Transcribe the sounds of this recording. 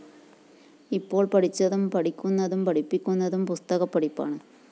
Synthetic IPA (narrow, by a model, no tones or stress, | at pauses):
ipːo̞ːɭpɐɽit͡ɕːɐðumpɐɽikʲːunːɐðumpɐɽipːikʲːunːɐðumpust̪ɐɣɐpːɐɽipːa̰ːɳɨ